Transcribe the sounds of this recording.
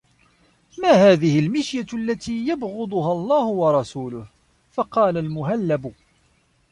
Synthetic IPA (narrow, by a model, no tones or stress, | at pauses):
maːhaːðɪhɪlmɪʃjalːat̪iːjabɣʊd̪ˤʊɦalˤːɑːhʊwɑɾˤɑsuːlʊh | fɑqɑːlalmʊɦalːabʊ